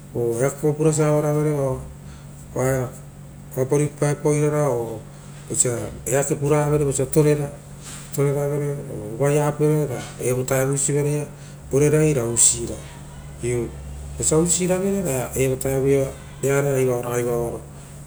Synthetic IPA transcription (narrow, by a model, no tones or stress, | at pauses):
oeakopuɾas̬aβaɾaβeɾeβa | a | βapaɾipaepojɾaɾao | esaeakepuɾaβeɾeβesiato̞ɾe̞ɾa | to̞ɾe̞ɾaβeɾeo̰βajapuaɾeɾaeβotajaβujsiβaɾeja | oɾeɾajɾausiɾa | ioesausiɾaβeɾeɾaeβotajaβua | eaɾeajβaoɾaajβaoɾo